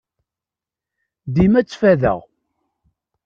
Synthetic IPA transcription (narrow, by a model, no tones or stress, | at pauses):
d̪imæt͡sːfæðə̰ʁ